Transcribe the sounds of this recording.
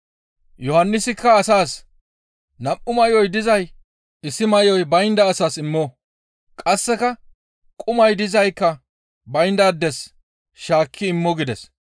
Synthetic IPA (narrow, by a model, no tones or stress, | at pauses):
jɔhɐnːɪsɪkːɐːsaːs | nɐpʼːʊmɐjɔjd̪ɪzɐj | ɪsɪmɐjɔjbɐjnd̪ɐːsaːsɪmːoː | kʼɐsːɛkɐ | kʼʊmɐjd̪ɪzɐjkːɐ | bɐjnd̪ɐːd̪ːɛs | ʃaːkʰːɪːmːɔɡɪd̪ɛs